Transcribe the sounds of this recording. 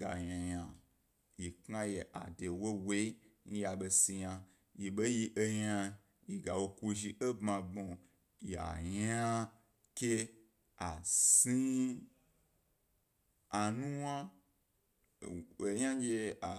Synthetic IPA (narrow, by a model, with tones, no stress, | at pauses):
ɡa̰˨ɲã˨jã˨ | ji˨kŋa˦je˨ʔa̰˨de˨wo˦we˨˦i˦n̩˦ja˨ɓe˧si˧ja˧ | ji˨ɓe˦ji˧ʔe˧ja˧ | ji˨ɡa˨wo˧ku˧ʒi˧ʔe˦bmã˧bo˨ | ji˨a̰˨ɲa˦ | ke˦ | a˨si˦ | a˨nũ˦wa˦˨ | e˨˦jã˦d͡ʒe˧a˨